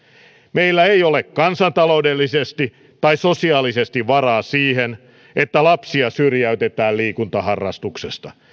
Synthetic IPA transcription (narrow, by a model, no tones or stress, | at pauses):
meilːæeiolekkɑnsɑnt̪ɑlo̞udelːisest̪i | t̪ɑisosiɑːlisest̪iʋʋɑrɑːsiːhen | et̪ːælɑpsiɑsyrjæyt̪et̪æːlliːkunt̪ɑhɑrːɑ̰st̪uksest̪ɑ